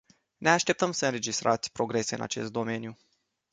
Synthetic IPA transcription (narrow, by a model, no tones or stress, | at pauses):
ne̞aʃt̪e̞p̚t̪əmsəɨnɾe̞d͡ʒist̪ɾʔat̪sʲpɾo̞ɡɾe̞se̞ɨna̰t͡ʃe̞st̪̚d̪o̞me̞nju